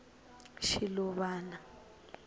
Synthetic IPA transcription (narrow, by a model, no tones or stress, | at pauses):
ʃilɔβaːna